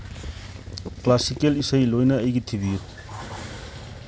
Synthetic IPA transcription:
klasikelisɐjlojnɐːjɡitʰibiju

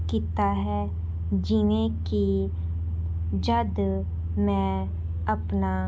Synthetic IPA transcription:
kit̪aɦɛ | d͡ʒɪnẽki | d͡ʒəd̪ | mɛ̃ | ɐpna

